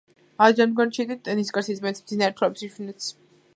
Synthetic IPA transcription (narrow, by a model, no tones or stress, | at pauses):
ad͡ʒanɡɔnt͡ʃʰit̪ʼit̪ʼɛniskʼaɾsizmɛnt̪sʰmd̪zinaɾt̪ʰɾapsiʃinɛt̪sʰ